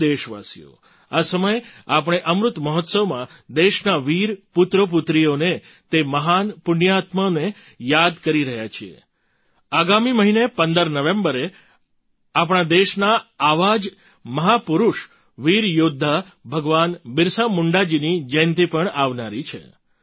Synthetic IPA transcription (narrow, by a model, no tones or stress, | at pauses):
eʃʋa̰sḭjo̰ | asəməjapɽ̃eʔəmɾʊt̪məɦɔt̪səʋmã | d̪eʃnaʋiɾpʊt̪ɾəp̬ʊt̪ɾijone | t̪eməɦanpʊnjat̪məne | jad̪kəɾiɾəɦjat͡ʃʰiḛ | aɡamiməɦinepənd̪əɾnəʋẽmbəɾe | ap̬ɳ̃ad̪eʃnaaʋad͡ʒ | məɦapʊɾuʃ | ʋiɾjod̪ʱːa | bʱəɡʋanbɪɾsamʊɳɖad͡ʒinid͡ʒəjnt̪ipəɳaʋnaɾit͡ʃʰḛ